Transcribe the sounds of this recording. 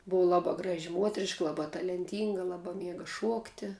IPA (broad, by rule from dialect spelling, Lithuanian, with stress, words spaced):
ˈbʊʋɐ ˈlˠɑːbɑː ˈɡrɑːʒʲɪ ˈmuɔtʲrʲɪʃkɐ ˈlˠɑːbɑː tɐlʲɛnʲˈtʲiːŋɡɐ ˈlˠɑːbɑː ˈmʲiɛɡɐ ˈʃuɔktʲɪ